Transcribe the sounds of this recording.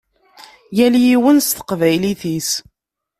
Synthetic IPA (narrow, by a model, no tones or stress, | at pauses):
jæljiwənst̪ə̥qvæjliθis